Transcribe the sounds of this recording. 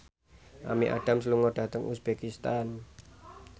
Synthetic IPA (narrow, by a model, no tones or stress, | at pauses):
ʔa̰miʔa̰ɖ̥a̤msluŋɔɖ̥a̤t̪əŋʔusb̥ekist̪an